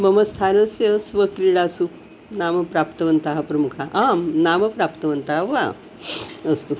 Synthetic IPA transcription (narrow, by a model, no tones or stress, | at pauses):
bəməst̪ʰanəsjəsʋəkɾiɽasu | namɐpɾapt̪əʋənt̪aɦapɾɐmukʰaʔamnaməpɾapt̪əʋənt̪aɦaʋa̰ | əst̪u